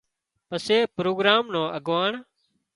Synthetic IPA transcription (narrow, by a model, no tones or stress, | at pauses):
pəseːpɾoːɡɾaːmnõːʔəɡʋaːɳ